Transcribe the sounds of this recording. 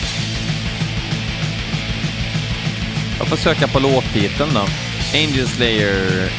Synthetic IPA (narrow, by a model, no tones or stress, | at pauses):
jɑ̰ːɡfoːʂøːkapʰɔloːt̪ʰːiːt̪ənd̪ɔ | ɛɪnd͡ʒəlslɛɪə